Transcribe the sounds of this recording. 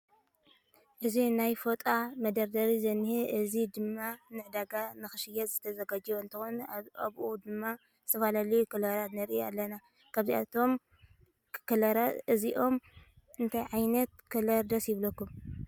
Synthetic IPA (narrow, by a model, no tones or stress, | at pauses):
ʔɨzinajfot̪ʼamɐd̪ɐɾd̪ɐɾizɐnːɨhiʔɨzid̪ɨmːanɨʕd̪aɡanɨxɨʃɪjɐzɨt̪ʰɐzɐɡad͡ʒwoɨnt̪ʰɨxona̰βʔud̪ɨmːa | zɨt̪ʰɐfalalijukɨlɐɾat̪nɐɾʔia̰lːɐna | kʰaβzia̰t̪ʰo̞m | kʰɨlɐɾaɨziʔo̞m | ɨnt̪ʰajʕajnɐt̪̚kʰɨlɐɾd̪ɐsjɪβlɐkːum